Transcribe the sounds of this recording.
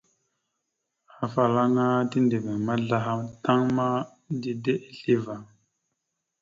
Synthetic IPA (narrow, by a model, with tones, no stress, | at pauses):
a˨fa˨la˦ŋa˦ti˦nde˨ve˨ma˦ɮa˦ɦa˦mta˦ŋma˦ | di˦de˦ʔe˦ɬi˦va˨ŋ